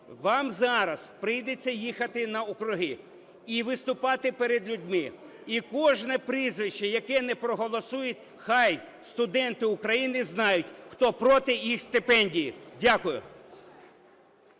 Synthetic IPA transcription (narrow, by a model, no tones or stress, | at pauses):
ʋɑmzɑɾɐz̥pɾɪjd̪et͡sʲːɐjixɐt̪ɪnɐɔkɾʊɦɪ | iʋɪst̪ʊpɑt̪ɪpeɾed̪lʲʊdʲmɪ | ikɔʒnɛpɾizʋɪʃt͡ʃːɛjɐkɛnɛpɾɔɦɔlˠɔsujʊt̚ʲ | xɑj | st̪ʊd̪ɛnt̪ɪʊkɾɐjinɪznɑjʊtʲxt̪ɔpɾɔt̪ɪjixst̪ɪpɛnʲdʲijḭdʲakʊjʊ̰